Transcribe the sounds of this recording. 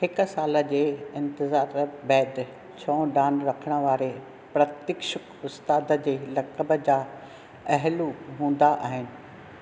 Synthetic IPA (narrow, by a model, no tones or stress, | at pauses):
hɪkʊ̆saːlə̆d͡ʑeːɪ̃nt̪ɪzaːɾbɛːd̪ | t͡ɕʰɔ̃ːɖaːnɾɐkʰəɽ̃ə̆ʋaːɾe | pɾɐt̪ɪkʃəkʊst̪aːd̪ə̆d͡ʑeːlɐkəbə̆d͡ʑaː | ɐɦluɦũːn̆d̪aʔaːɦɪnɪ̆